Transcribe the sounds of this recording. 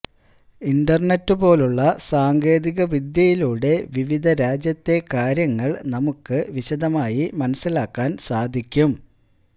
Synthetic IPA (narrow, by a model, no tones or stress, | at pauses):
indɐrɳetːɨpo̞ːluɭːɐsaːŋɡe̞ːðiɣɐʋid̪jɐjiluːɽe̞ʋiʋid̪ʱɐɾaːd͡ʑjɐt̪ːe̞kaːɾjɐŋːɐɭnɐmukːɨʋiɕɐd̪ɐmaːjimɐnɐsːilaːkːaːnsaːd̪ʱikʲːum